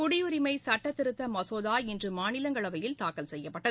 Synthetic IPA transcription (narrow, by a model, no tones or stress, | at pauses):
kʊɽɪjʊɾɪmɐɪsɐʈːɐt̪ːɪɾɯt̪ːɐmɐsoːðaːɪndrɯmaːnɪlɐŋɡɐɭɐʋɐjɪlt̪aːkɐlsɛjːɐpːɐʈːɐðɯ